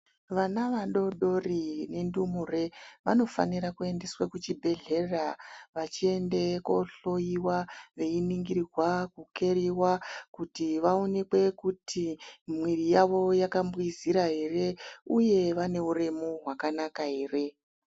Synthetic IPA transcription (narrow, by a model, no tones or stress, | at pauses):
ʋanaʋaɗo̞ɗo̞rine̞ndumure̞ʋano̞fa̰niɾakue̞nde̞swakut͡ʃibʱe̞ɮe̞raʋat͡ʃie̞nde̞ko̞ɬo̞jiwaʋe̞iniŋɡiɾirwakuke̞ɾiwakutiʋao̞ne̞kwe̞kutʰimwirijaʋo̞jakambwiziɾaɦe̞re̞uje̞ʋane̞ure̞moɦwakanakaɦe̞ːre̞